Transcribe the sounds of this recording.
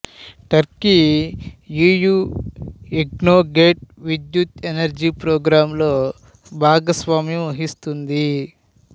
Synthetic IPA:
ʈɐɾki | juːjuː | iɡnoːɡeːʈ̚ʋid̪jut̪enɐɾd͡ʒiːpɾoːɡɾaːmlo̞ː | bʱaːɡɐsʋaːmjɐmɐɦist̪und̪i

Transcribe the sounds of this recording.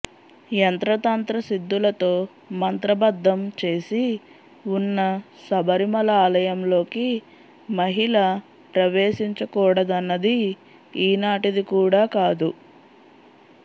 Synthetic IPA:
jɐnt̪ɾɐt̪aːnt̪ɾɐsid̪ːulɐt̪o̞ː | mɐnt̪ɾɐbɐd̪ʱːɐmt͡ʃe̞ːsi | unːɐ | sɐbʱɐɾimɐlaːlɐjɐmlo̞ːki | mɐɦiɭɐ | pɾɐʋeːʃiɲt͡ʃɐkɔːɽɐd̪ɐnːɐd̪iː | naːʈid̪ikuːɽaːkaːd̪u

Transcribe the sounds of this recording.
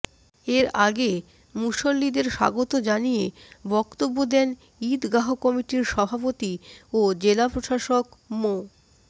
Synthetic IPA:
eɾaɡe | muʃolːid̪eɾʃa̰ɡot̪od͡ʑanijebɔkt̪obːod̪ɛn | id̪ɡaɦokɔmiʈiɾʃɔbʱapot̪iod͡ʑelapɾoʃaʃokmo

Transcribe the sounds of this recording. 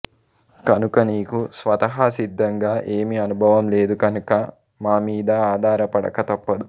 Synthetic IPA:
kɐnukɐniːkusʋɐt̪ɐɦaːsid̪ʱːɐŋɡaːʔe̞ːmiɐnubʱɐʋɐmle̞ːd̪ukɐnukɐ | maːmiːd̪aaːd̪ʱaːɾɐpɐɽɐ̰kɐt̪ɐpːɐd̪u

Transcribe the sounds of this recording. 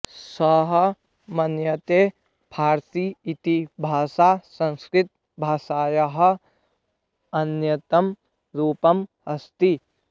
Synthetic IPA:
sɐɦɐ | mɐnjɐt̪eː | pʰaːɾt̪iit̪ibʱaːsaːsɐ̃nskɾɪt̪̚ | bʱaːʃaːjɐɦɐ̆ | ɐnjɐt̪ɐm | ɾuːpɐmɦɐst̪i

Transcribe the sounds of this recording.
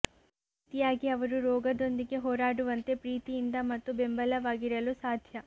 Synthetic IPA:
p | it̪ijaːɡiɐʋɐɾuɾɔːɡɐd̪o̞nd̪iɡe̞ɦɔːɾaːɽuʋɐnt̪e̞pɾiːt̪ijind̪ɐmɐt̪ːubembɐlɐʋaːɡiɾɐlusaːd̪ʱjɐ

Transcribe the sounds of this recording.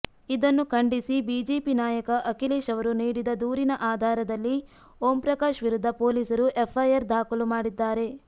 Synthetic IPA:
id̪ɐnːukʰɐɳɖisibiːd͡ʒeːpinaːjɐkɐʔɐkiliːʃɐʋɐɾuniːɽid̪ɐd̪uːɾinɐʔaːd̪ʱaːɾɐd̪ɐlːi | oːmpɾɐkaːʃʋiɾud̪ʱːɐpo̞ːliːsɐɾuʔepʰːɐjɐɾd̪ʱaːkulumaːɽid̪ːaːɾe̞

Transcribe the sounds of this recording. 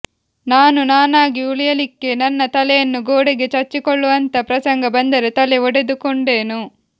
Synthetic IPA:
naːnunaːnaːɡiuɭijɐlikːe̞nɐnːɐt̪ɐlɛjɐnːuɡoːɽiɡet͡ʃɐt͡ʃːikɔɭːuʋɐnt̪ɐpɾɐsɐŋɡɐbɐnd̪ɐɾet̪ɐleɔɽed̪ukoɳɖe̞ːnu

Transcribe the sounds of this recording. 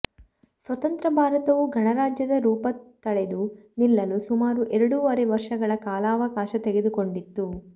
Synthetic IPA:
sʋɐt̪ɐnt̪ɾɐbʱaːɾɐt̪ɐʋuɡʱɐɳɐɾaːd͡ʒjɐd̪ɐɾuːpɐt̪ːɐɭed̪unilːɐlusumaːɾuʔɛɾɐɽuʋɐɾeʋɐɾʂɐɡɐɭɐkaːlaːʋɐkaːʃɐt̪eɡed̪uko̞ɳɖit̪ːu

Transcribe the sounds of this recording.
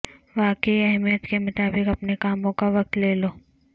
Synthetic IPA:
ʋaːkeiɐɦmijət̪kemʊt̪aːbɪkɐpnekaːmõkaʋɐk̚t̪leːloː

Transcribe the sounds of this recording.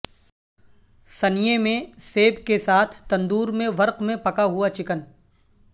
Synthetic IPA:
sɐnijemẽseːbkesaːt̪ʰt̪ɐ̃nd̪uːɾmẽʋɐɾqmẽpɐkaɦʊat͡ʃɪkən

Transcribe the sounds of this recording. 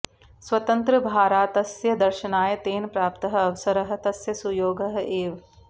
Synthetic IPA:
swɐt̪ɐnt̪ɾɐbʱaːɾaːt̪ɐsjɐd̪ɐɾʃɐnaːjɐt̪eːnpɾaːpt̪ɐɦɐ̆ɐʋɐsɐɾɐɦɐ̆t̪ɐsjɐsujoːɡɐɦɐeːʋ

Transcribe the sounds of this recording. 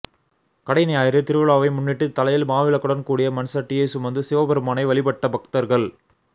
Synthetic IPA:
kɐɽɐɪnɐjaːjɪɾɯt̪ɪɾɯʋɯɭaːʋɐɪmʊnːɪʈːɯt̪ːɐlɐjɪlmaːʋɪlɐkːɯɽɐnkuːɽɪjɐmɐnsɐʈːɪjɐɪsʊmɐnd̪ɯsɪʋɐbɐɾɯmaːnɐɪʋɐɭɪpɐʈːɐbɐkt̪ɐɾɣɐɭ

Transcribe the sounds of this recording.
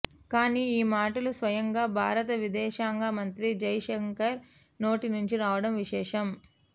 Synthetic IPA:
kaːniːiːmaːʈɐlusʋɐjɐŋɡaːbʱaːɾɐt̪ɐʋid̪ɛːʃaːŋɡaːmɐnt̪ɾid͡ʒɐjʃɐŋkɐɾ | no̞ːʈinuɲt͡ʃiɾaːʋɐɽɐmʋiʃɛːʂɐm

